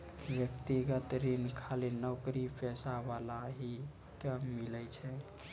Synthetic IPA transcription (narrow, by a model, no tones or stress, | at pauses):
ʋjəkt̪iɡət̪ɾinkʰalinɔwkɾipʰɛsabalaɦi | kamːilɛt͡ʃʰɛ